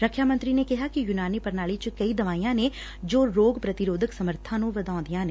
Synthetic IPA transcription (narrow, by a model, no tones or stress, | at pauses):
ɾəkʰːjamɐ̃nt̪ɾinekɪɦakijʊnaːnipɐɾnaːɭit͡ʃkɐid̪ɐʋaːijãne | d͡ʒoːɾoːɡpɾɐt̪ɪɾoːd̪ʱəksɐməɾt̪ʰãnũʋɐd̪ãːd̪ijãneː